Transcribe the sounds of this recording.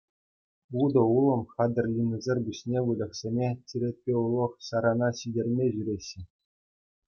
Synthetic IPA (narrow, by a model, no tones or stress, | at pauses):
ud̪ɤ̆ulˠɤ̆mχɑd̪ɘ̆rʲlʲinʲɘ̆zʲerʲbʲuɕnʲeʋɯlʲɤ̆χsʲemʲetʲiɾʲet̚ʲpʲeulˠːɤ̆χɕɑɾɑnɑɕidʲerʲmʲeʑyɾʲeɕːɘ̆